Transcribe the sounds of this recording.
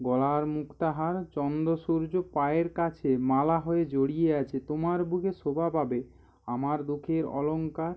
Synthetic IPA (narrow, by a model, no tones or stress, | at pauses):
ɡɔlaɾmukt̪aɦaɾt͡ɕɔnd̪oʃuɾd͡ʑopaeɾkat͡ɕʰemalaɦoed͡ʑoɽijeat͡ɕʰet̪omaɾbuɡʱeʃobʱababe | amaɾd̪ukʰeɾɔ̰loŋkaɾ